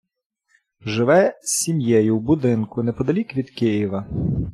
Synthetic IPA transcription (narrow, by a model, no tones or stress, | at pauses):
ʒɪʋɛsʲimjɛjʊwbʊd̪ɪnkʊnɛpɔd̪ɐlʲikʋʲid̪kɪjiʋɐ